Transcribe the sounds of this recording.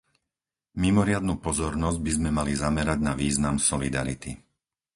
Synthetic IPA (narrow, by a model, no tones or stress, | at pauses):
mimɔɾɪad̪nuːpɔzɔɾnɔzɟ̚bizmɛmalizamɛɾaɟnaʋiːznamsɔlid̪a̰ɾit̪i